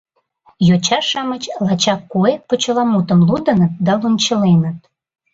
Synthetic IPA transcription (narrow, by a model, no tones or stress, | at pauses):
jot͡ɕɑʃɑmət͡ɕlɑt͡ɕɑkːuepot͡ɕəlɑmut̪əmlud̪ənət̪̚d̪ɑlunt͡ɕəlenət̪̚